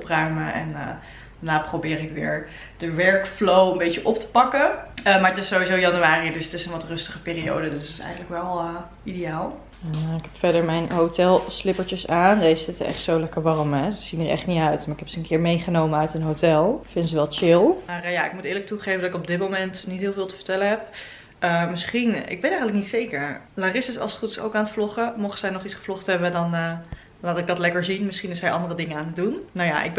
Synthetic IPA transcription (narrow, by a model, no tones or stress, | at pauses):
ɔprœɥməʔɛ̰nə̰ | d̥anaːprowbɪːɾɪkʋɪ̰ːɹ | d̥əʋɛɹkflowəmbejt͡ʃəʔɔp̚tə̥pɑkəəmaːɹətɪsːowizowjɑnyaːridɵsətɪsənʋɑtrɵstəχəpɪːrio̰wdədəstɪ̥sɛ̰jχənləkʋɛlˠə | idejaːlˠ | ɪkɦɛpfɛɹdəɹmɛjnɦowtɛlˠslɪpəɹt͡ʃəsaːndejzəzɪtəɛ̰χtsowlɛkəɹʋɑrəmɛsəz̥inəɹɛ̰χtniœɥtmaːɹɪkɛpsəənkɪːɹmejχənowməœɥtənɦowtɛlˠfɪnzəʋɛlˠt͡ʃɪlˠmaːrjaɪ̰k̚mutɪːɹlək̚tuχejvəndɑtɪkɔb̚dɪt̚mowmɛntnitɦɪːlˠvɪːlˠtə̥vəɹtɛləɦɛp̚ | əmɪsχinʔɪ̰ɡ̚bɛnɛjχənlək̚nitsejkəɹlaːrɪsɪsɑ̰lˠstrutso̰wkaːnətflɔχəmɔχəzɛjnɔχitsχə̥flɔχtɦɛbədɑnə | laːtɪɡ̚dɑtlɛkəɹzinmɪsχinɪsɛjʔɑ̰ndərədɪŋəaːnət̚dunnawja̰ʔɪ̰ɡ̚b